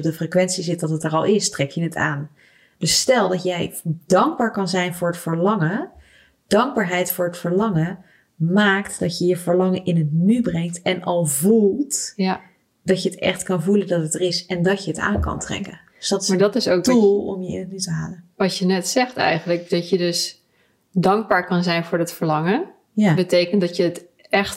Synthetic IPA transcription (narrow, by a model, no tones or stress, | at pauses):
pdəfrekʋɛntsizɪt̚dɑtətəɹɑlˠɪstrɛkjənəta̰ːn | d̥ɵstɛlˠdɑtjɛjd̥ɑŋɡ̚baːɹkɑnzɛjnvʊːɹətfəɹlɑŋə | d̥ɑŋɡ̚baːɹɦɛjtfʊːɹətfəɹlɑŋə | maːktd̥ɑtjəjəvəɹlɑŋənʔɪnɦətnybrɛŋtɛnɑlˠvulˠt | d̥ɑcjəətɛ̰χtkɑnvuləndɑtətərɪsɛndɑcjəəta̰ːnkɑ̰ntrɛ̰kən | sdɑtɪmaːɹdɑtɪsowkdulˠɔ̰mjəɪ̰nətnytəɦaːlənʋɑtjənɛtsɛχtɛ̰jχənlək̚d̥ɑtjədɵs | dɑŋɡ̚baːɹkɑnzɛjnvʊːɹətfəɹlɑŋə | jabətejkəntdɑtjəət | ɛχt